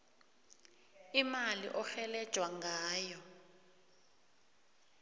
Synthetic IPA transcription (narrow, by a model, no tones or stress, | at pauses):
imalḭʔɔxɛlɛd̥ʒ̥ʱwaŋɡʱaːjɔ